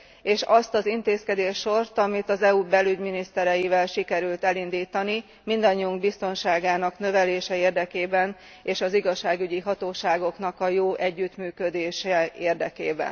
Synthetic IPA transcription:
eːʃɒst̪ɒzint̪eːskɛd̪eːʃːo̞rt̪ɒmit̪ɒzɛubɛlyɟminist̪ɛɾɛjivɛlʃikɛɾylt̪ɛlind̪iːt̪ɒni | mind̪ɒɲːiuŋɡbist̪o̞nʃaːɡaːnɒknø̞vɛleːʃɛeːrd̪ɛkeːbɛn | eːʃɒziɡɒʃːaːɡyɟiɦɒt̪oːʃaːɡo̞knɒkɒjoːʔɛɟːyt̪myːkød̪eːʃɛeːrd̪ɛkḛːbɛ̰n

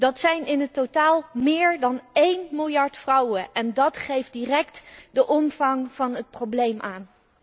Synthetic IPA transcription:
d̥ɑtsɛjnɪnətotaːlˠmɪːɹdɑnejnmɪlˠjɑɹtfrʌwəʔɛndɑtχejfdirɛktdəʔɔmvɑŋv̥ɑnɦət̚prowblejmʔaːn

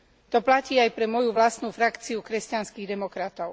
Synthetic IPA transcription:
t̪ɔplaciːajpɾɛmɔjuʋlast̪nuːfɾakt͡siukɾɛscanskiːɣd̪ɛmɔkɾat̪ɔʊ

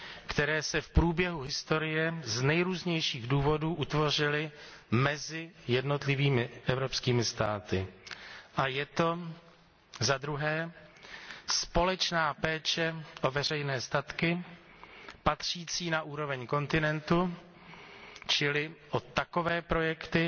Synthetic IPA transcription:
kt̪ɛɾɛːsɛfpɾuːbjɛɦuɦɪst̪o̞ɾɪjɛznɛjɾuːzɲɛjʃiːɣduːvo̞duːʔut̪vo̞r̝ɪlɪ | mɛzɪjɛdno̞t̪lɪviːmɪʔɛvɾo̞pskiːmɪst̪aːt̪ɪ | ʔajɛt̪o̞ | zad̪ɾuɦɛː | spo̞lɛt͡ʃnaːpɛːt͡ʃɛʔovɛr̝ɛjnɛːst̪at̪kɪ | pat̪r̝̥iːt͡siːnaʔuːɾo̞vɛɲko̞nt̪ɪnɛnt̪u | t͡ʃɪlɪʔot̪ːako̞vɛːpɾo̞jɛkt̪ɪ

